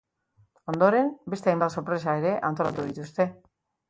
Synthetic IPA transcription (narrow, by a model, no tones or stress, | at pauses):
o̞nd̪oɾe̞mbe̞st̪eajmbat̪so̞ɾpɾe̞sae̞ɾe̞ʔant̪o̞lat̪uðit̪ust̪e̞